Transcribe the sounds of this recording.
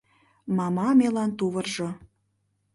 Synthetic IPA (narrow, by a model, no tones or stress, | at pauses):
mɑmɑmelɑnt̪uβɤ̆rʒŏ